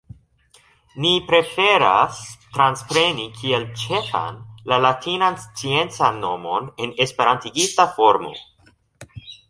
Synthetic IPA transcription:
nipɾe̞fe̞ɾastɾanspɾe̞nikʰielt͡ʃe̞fa̰nlalatʰinanst͡sie̞nt͡sanːo̞mo̞ne̞nespe̞ɾantiɡitafo̞ɾmo̞̰

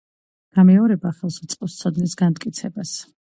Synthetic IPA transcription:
ɡ̥amɛɔɾɛbaχɛlˠst̪sʼqʼɔfst̪sʰɔd̪nisɡant̪ʼkʼit̪sʰɛbas

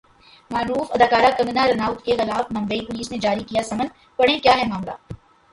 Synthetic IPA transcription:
maːɾuːfɐd̪aːkaːɾakɐ̃ŋɡnaɾɐnaːʊt̪kexɪlaːfmɐ̃mbeipʊliːsnẽd͡ʒaːɾikijasɐmən | pɐɽ̤ẽkjaːɦɛmaːmla̰ː

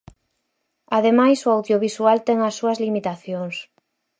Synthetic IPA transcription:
aðemajsʊawðjoβisualt̪ɛŋɐsːuɐzlimit̪aθjoŋs

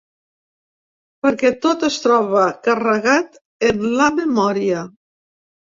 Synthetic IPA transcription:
pəɾkɛt̪ot̪əst̪ɾɔβəkarəɣat̪ | enləməmɔɾiə

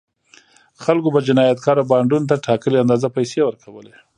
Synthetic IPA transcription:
xalkobad͡ʒɪnɑjat̪kʰɑɾawbɑɳɖunt̪̬aʈɑkəleand̪ɑzapajsewəɾkʰawəle

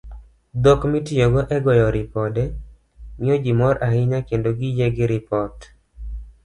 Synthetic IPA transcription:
d̪okmitɪjoɡɔʔɛɡɔjɔɾɪpɔdɛ | mɪjɔd͡ʒimɔɾahɪɲakendoɡɪjeɡɪɾɪpɔt

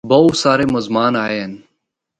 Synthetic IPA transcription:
bɐwsaːɾeːmɐzmaːnaːen

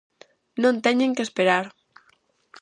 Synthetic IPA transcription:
nõnt̪ɛɲeŋkespeɾaɾ

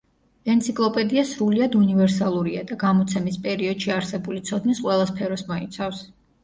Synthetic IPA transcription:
ɛnt̪sʰikʼlˠɔpʼɛd̪iasɾuliad̪univɛɾsalˠuɾiad̪aɡamɔt̪sʰɛmispʼɛɾiɔd̪̥ʃiaɾsɛbulit̪sʰɔd̪nisqʼwɛlˠaspʰɛɾɔsmɔit̪sʰafs

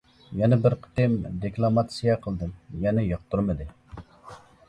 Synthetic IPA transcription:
jɛnɛbɪɾqʰə̥t̪ɪmd̪ekʲlˠɑmɑt̪sijɛqʰəlˠd̪ɨmjɛnɛjɑq̚t̪ʰuɾmɨd̪ɨ

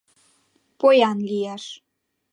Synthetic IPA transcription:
pojɑnlijæʃ

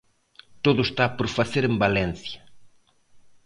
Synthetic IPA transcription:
t̪oðʊst̪apoɾfaθeɾẽmbalɛ̃nθjɐ

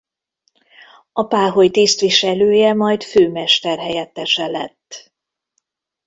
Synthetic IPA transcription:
ɒpaːɦo̞jt̪ist̪ʋiʃɛløːjɛmɒjt̪føːmɛʃt̪ɛrɦɛjɛt̪ːɛʃɛlɛ̰t̪ː

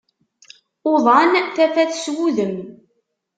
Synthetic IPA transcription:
oðˤɑnθæfæθswuðəm

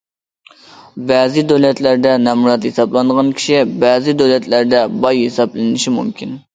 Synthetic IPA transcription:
bɛzɪd̪øwlɛt̪læɾd̪ɛnɛmuɾɑt̪hesɑblˠɑnəʁɑnkʲʰi̥ʃibæzɪd̪øwlɛt̪læɾd̪ɛbɑjhesɑblɪnɪʃimṵmkʲʰin

